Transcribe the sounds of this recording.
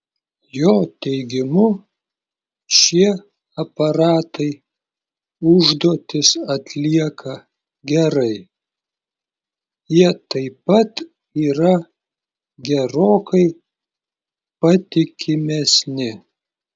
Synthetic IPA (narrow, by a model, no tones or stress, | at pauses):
joːt̪ʲɛɪɡʲɪmʊ | ʃʲiɛ | ɐpɐɾɑːt̪ɐɪ | ʊʒd̪oːt̪ʲɪsɐt̪ʲlʲiɛkʰɐ | ɡʲɛɾɐɪ | jiɛt̪ɐɪpɐt̪ | iːɾɐ | ɡʲɛɾoːkɐɪ | pɐt̪ʲɪkʲɪmʲɛsʲnʲɪ